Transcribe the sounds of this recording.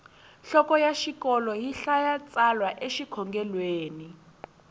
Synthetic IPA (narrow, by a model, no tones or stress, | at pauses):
ɬɔkɔjaʃikɔlɔjiɬajat͡sʼalwaʔeʃikʰɔŋɡɛlweːni